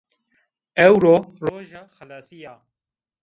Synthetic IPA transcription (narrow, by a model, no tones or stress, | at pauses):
ɛwɾoːroːʒaxɐlaːsijaː